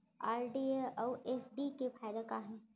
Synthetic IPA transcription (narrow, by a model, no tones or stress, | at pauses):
aːɾɖieɐwʔeːfɖikefʰaːjd̪ekaɦɛ̃ː